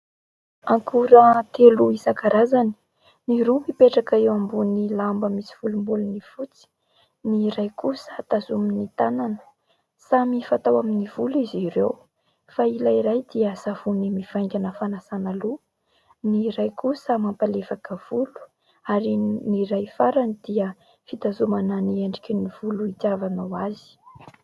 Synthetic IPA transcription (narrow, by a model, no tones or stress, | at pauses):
aŋkʰuɾət̪eluisakaɾazani̥ | niɾumipeʈ͡ʂakaewambunilambəmisi̥v̥ulumbulunifut͡si̥ | niɾajkusət̪azuminit̪ananə̥ | samifat̪awaminiv̥uliziɾew | failaiɾajd̪iəsavunimiv̥ajŋɡʲanəfanasanalu | niɾajkusəmampalefakəv̥ulu̥ | aɾiniɾajfaɾanid̪̥iə | fit̪azumananieɳɖ͡ʐikʲiniv̥uluit̪javanawazi̥